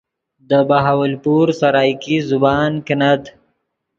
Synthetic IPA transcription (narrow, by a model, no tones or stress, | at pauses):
d̪əbaɦawalpuɾsaɾɑːjkizʊbɑːnkɪnat̪